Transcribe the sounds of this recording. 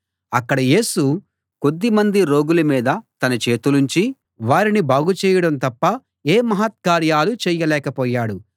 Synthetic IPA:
ɐkːɐɽɐje̞ːsu | ko̞d̪ːimɐnd̪iɾo̞ːɡulɐmiːd̪ɐt̪ɐnɐt͡ʃe̞ːt̪unuɲt͡ʃi | ʋaːɾinibaːɡut͡ʃɛːjɐɽɐmnt̪ɐpːɐ | eːmɐɦɐt̪̚kaːɾjaːlut͡ʃɛːjɐlɛːkɐpɔːjaːɽu

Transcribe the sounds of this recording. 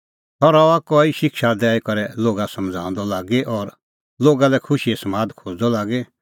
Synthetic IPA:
ɦɔɾɔakɔːiʃɪkʃad̪ɛːikɔɾɛloːɡasɐ̃md͡zʱã̰ːnd̪ɔlaːɡeʔɔːɾ | loːɡalɛkʰʊʃiɛsɐmaːd̪kʰoːd͡zd̪ɔlaːɡe

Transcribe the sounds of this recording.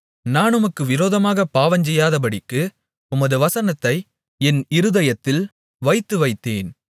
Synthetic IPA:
naːnɯmɐkːɯʋɪɾoːðɐmaːɣɐpːaːʋɐɲd͡ʒɛjːaːðɐp̬ɐɽɪkːɯ | ʊmɐðɯʋɐsɐnɐt̪ːɐɪ | ɛnɪɾɯðɐjɐt̪ːɪl | ʋɐɪt̪ːɯʋɐɪt̪ːeːn

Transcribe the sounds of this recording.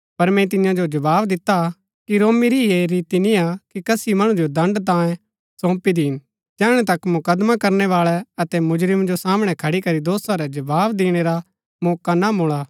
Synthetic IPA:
pɐɾmɛ̃t̪̬ɪjãd͡ʒod͡ʒɐbaːʋd̪ɪt̪a | kiɾoːmiɾieɾiːt̪iniakikɐsimɐɽ̃ũd͡ʒod̪ɐ̃ɳɖt̪̬ãːjẽ | sɔ̃ːpid̪iɦɪn | d͡ʒɛːɽ̃ɛt̪ɐkmʊkɐd̪makɐɾnɛʋaːɭɛɐt̪ɛmʊd͡ʒɾɪmd͡ʒosaːmɽ̃ɛkʰɐɽikɐɾid̪oːsãɾɛd͡ʒɐbaːʋd̪iːɽ̃eɾa | mɔːkanamʊɭaː

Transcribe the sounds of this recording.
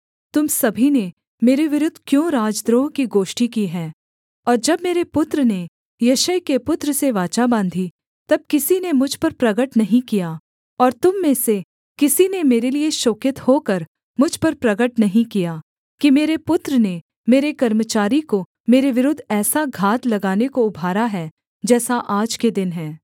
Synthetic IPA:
t̪ʊmsɐbʱine | meːɾeʋɪɾʊd̪ʱkjõːɾaːd͡ʒd̪ɾoːɦkiɡoːʃʈikiɦɛː | ɔːɾd͡ʒɐbmeːɾepʊt̪ɾəne | jɐʃəjkepʊt̪ɾəseʋaːt͡ʃabãːnd̪ʱi | t̪ɐb̚kɪsinemʊd͡ʒʱpɐɾpɾɐɡəʈnɐɦĩkija | ɔːɾt̪ʊmːẽːse | kɪsinemeːɾelieʃoːkɪt̪hokɐɾ | mʊd͡ʒʱpɐɾpɾɐɡəʈnɐɦĩkija | kimeːɾepʊt̪ɾəne | meːɾekɐɾmət͡ʃaːɾiko | meːɾeʋɪɾʊd̪ʱːɛːsaɡʱaːt̪lɐɡaːnekoʊbʱaːɾaɦɛ | d͡ʒɛːsaʔaːd͡ʒked̪ɪnɦɛː

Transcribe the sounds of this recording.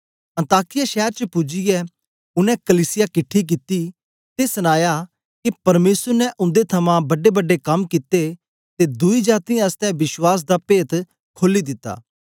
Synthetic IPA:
ɐ̃nt̪aːkɪjaʃɛːɾt͡ʃəpʊd͡ʒɪjɛ | ʊnɛ̃kɐliːsɪjakɪʈʰːik̬it̪i | t̪esɐnaːja | kipɐɾmeːsəɾnɛʔʊ̃nd̪et̪ʰɐmãbɐɖebɐɖːekɐmkit̪e | t̪ed̪ʊid͡ʒaːt̪ijãɐst̪ɛʋɪʃwaːs̬d̪aːpeːt̪ | kʰoːlːid̪ɪt̪ːa̰ː

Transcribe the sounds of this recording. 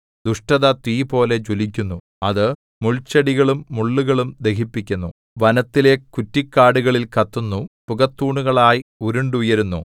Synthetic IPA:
d̪uʂʈɐðɐt̪ʋiːpo̞ːle̞t͡ɕulik̬ʲːunːu | ɐðɨ | muɭt͡ɕːɐɽiɣɐɭumːuɭːuɣɐɭumd̪e̞kipːikʲːunːu | ʋɐnɐt̪ːile̞kutːikːaːɽuɣɐɭilkɐt̪ːunːupuɣɐt̪ːuːɳuɣɐɭaːjiuɾuɳɖujɐɾunːṵ

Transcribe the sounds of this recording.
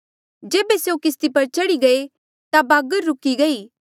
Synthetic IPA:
d͡ʒeːbeseukɪst̪ipɐɾt͡ʃɐɽiɡɐe | t̪abaːɡəɾːʊkiɡɐiː

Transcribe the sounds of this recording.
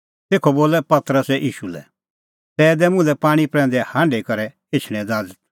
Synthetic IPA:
t̪eːkʰoboːlɛpɐt̪ɾəsɛʔiːʃulɛ̰ | t̪ɛːd̪ɛmʊ̃lɛpaːɽ̃ipɾɛ̃ːnd̪ɛhãːɳɖekɐɾɛ | ɪt͡ʃʰɽ̃ɛ̃d̪aːd͡zət̪̚

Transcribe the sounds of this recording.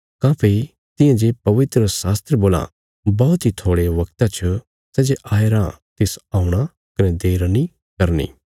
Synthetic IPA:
kãːpʰe | t̪ɪ̃jãd͡ʒepɐʋɪt̪ɾəsaːst̪ɾəboːlã̰ | bɔːt̪ɦit̪ʰoːɽeʋɐkt̪at͡ʃʰɐ | sɛːd͡ʒeʔaːeɾãt̪ɪsaːũɽ̃a | kɐnɛ̃d̪eːɾni | kɐɾnḭː

